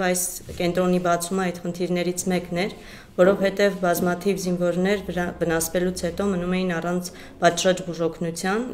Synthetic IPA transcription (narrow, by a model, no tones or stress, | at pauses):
vɑjskɛnt̪ɾɔnibɑt͡sʰuməɑjt̪χənt̪ʰiɾnɛɾit͡sʰmɛknɛɾ | vɔɾɔvhɛt̪ɛvbɑzmɑt̪ʰivzinvɔɾnɛɾvənɑsvɛlut͡sʰhɛt̪ɔmənumɛjinɑrɑnt͡sʰ | pɑt͡ʃɾɑt͡ʃbuʒɔkʰnut͡sʰjɑn